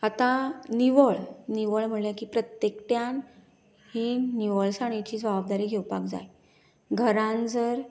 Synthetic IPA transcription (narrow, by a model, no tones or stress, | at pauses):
at̪ãniʋəɭniʋəɭm̤əɳljakiːpɾət̪jekʈjan | hiniʋəɭsaɽ̃it͡ɕiːd͡zʋabab̚d̪aɾiːɡʱewpak̚d͡za̰j | ɡʱəɾãnd͡zəɾ